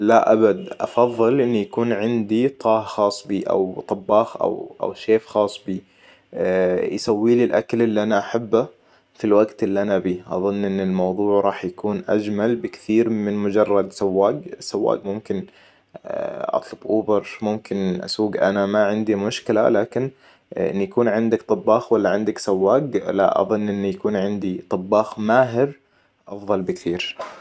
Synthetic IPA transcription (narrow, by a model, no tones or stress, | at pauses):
laʔabad̪ʔɑ̰fɑðˤːɨlʔɪnːujakuːnʕɪnd̪it̪ˤʰɑːhxɑːsˤbiːʔa̰wt̪ˤɑbːɑːxʔa̰wʔa̰wʃeːfxɑːsˤbiː | jsawːiːlilʔa̰kalɪlːiʔanaʔaħabːa | filwaɡt̪ɪlːiʔanabiːʔɑ̰ðˤʊnːʔɪnːɪlmɑwðˤuːʕɾˤɑːħjakuːnʔa̰d͡ʒmalbɪkɪ̥θiːɾmɪnmʊd͡ʒɑrˤːɑd̪sawːaːɡsawːa̰ːɡmʊmkɪn | ʔɑ̰t̪ˤlʊbʔʊːbɪɾmʊmkɪnʔa̰suːɡʔanamaʕɪnd̪imʊʃkɪla̰laːkɪn | ʔɪ̰nːjakuːnʕɪnd̪akt̪ˤɑbːɑːxwalːaʕɪnd̪aksawːaːɡla̰ʔɑ̰ðˤɨnːʔɪnːijakuːnʕɪnd̪it̪ˤɑbːɑːxmaːɦɪɾ | ʔɑfðˤɑlbɪkθiːɾ